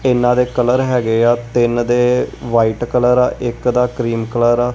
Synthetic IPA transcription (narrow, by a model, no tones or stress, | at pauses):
ɪnːãːd̪eːkələɾɦɛːɡeːaːt̪ɪnd̪eːʋaːiːʈkələɾaːʔɪkd̪aːkɾiːmkələɾaː